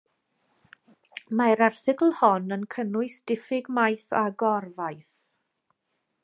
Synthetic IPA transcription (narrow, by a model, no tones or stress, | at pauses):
maɾarθɪkl̩ˠhɔnənkʰənʊɨsd̥ɪfɪɡmajθa̰ɡɔrvajθ